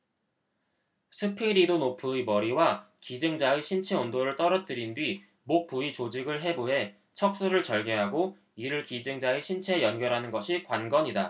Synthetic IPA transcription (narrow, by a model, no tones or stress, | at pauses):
sʰɯpʰiɾidonopʰɯimʌɾiwa | kid͡ʑɯŋd͡ʑaeɕʰint͡ɕʰe̞ondoɾɯɭt͈ʌɾʌt̚t͈ɯɾindɥi | mok̚p͈uit͡ɕod͡ʑiɡɯɭɦe̞buɦe̞ | t͡ɕʰʌk̚s͈uɾɯɭt͡ɕʌɭɡeɦaɡo | iɾɯɭkid͡ʑɯŋd͡ʑaeɕʰint͡ɕʰe̞jʌnɡjʌɾɦanɯnɡʌɕʰikwanɡʌɲida